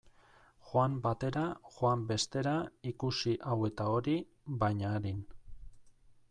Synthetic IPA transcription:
xoambat̪e̞ɾaxoambe̞st̪e̞ɾaikusiʔawe̞t̪ao̞ɾi | bajɲaːɾin

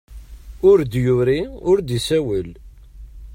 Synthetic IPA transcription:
ʊɾd̪jʊɾiʊɾd̪isæwəl

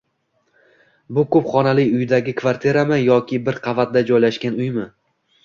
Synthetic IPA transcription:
bʊkɵpχɒnalɪjʊjd̪aɡʲɪkʰvaɾt̪ʰeɾamɪjɒkʲʰɪbɪɾqʰɑvat̪̚d̪ad͡ʒɒjlaʃkʲanʊjmɪ

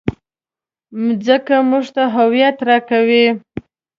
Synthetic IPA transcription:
zəkamuʐt̪aɦawijat̪ɾɑkawi

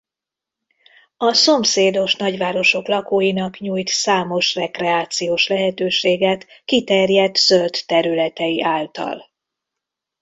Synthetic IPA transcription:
ɒso̞mseːd̪o̞ʃnɒɟʋaːɾo̞ʃo̞klɒkoːjinɒkɲuːjt̪saːmo̞ʃrɛkrɛaːt̪sijoːʃlɛɦɛt̪øːʃeːɡɛt̪kit̪ɛrjɛt̪z̥ølt̪ːɛɾylɛt̪ɛjiʔaːlt̪ɒ̰l

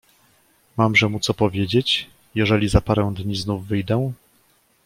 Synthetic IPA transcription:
mamʐɛmut̪sɔpɔvʲjed͡ʑet͡ɕ | jɛʐɛlʲizapaɾɛw̃d̪ɲiznuvːɘjd̪ɛ

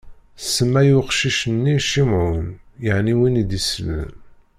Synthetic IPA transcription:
səmːæjuqʃiʃənːiʃimʕʊnjəʕniwinid̪islə̰n

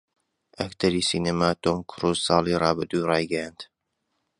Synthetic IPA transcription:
ʔɐkt̪ʰɐɾiːsinɐmat̪omkʰruzsɑːlˠiːrɑːbɨɾd̪urɑjɡɐjant̪

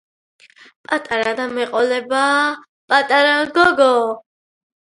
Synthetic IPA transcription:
pʼat̪ʼaɾad̪amɛqʼɔlɛba | pʼat̪ʼaɾaɡɔɡɔ

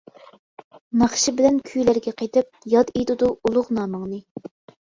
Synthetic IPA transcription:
nɑχʃibɪlɛnkʲʰyjlæɾɡʲɛqʰejt̪ɪp̚jɑd̪ejd̪ud̪uulˠʊʁnɑːməŋnɨ

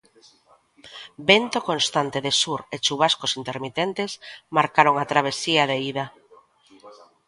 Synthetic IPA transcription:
bent̪okõnst̪ant̪eðesuɾet͡ʃuβ̞askosint̪eɾmit̪ent̪esmaɾkaɾoŋat̪ɾaβ̞esiaðeiða

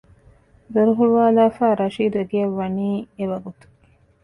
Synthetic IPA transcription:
d̪oɾuɦuɭuʋaːlaːfaːɾɐʃiːd̪ueɡiɐʋːɐniːeʋɐɡut̪u̥

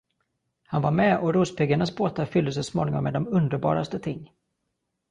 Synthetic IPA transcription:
hanvaɾmɛʔɔɾuːspʰɛɡaɳasboːt̪aɾfʏld̪əs̬ɔsmo̰ːnɪŋɔ̰mɛd̪ɔmɵnd̪əɾbɑ̰ːɾast̪ət̪ʰɪŋː

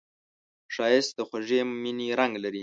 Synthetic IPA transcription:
ʃɑjɪst̪̚d̪əxwaʒemminiɾaŋɡlaɾi

